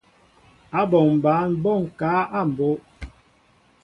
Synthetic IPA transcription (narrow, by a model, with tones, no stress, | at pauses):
a˦bɔ˨ŋm˨ba˨˦n̩˦bɔ˦˨ŋ˨kaː˨˦a˦˨m̩˨bo˦